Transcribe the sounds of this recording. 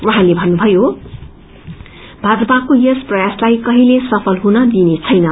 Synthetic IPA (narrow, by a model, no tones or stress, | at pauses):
ʔuɦãlebʱʌnːubʱʌjo | bʱad͡zʌpakojʌsprʌjaslajkʌɦilesʌpʰʌlɦunʌd̪inet͡sʰʌjnʌ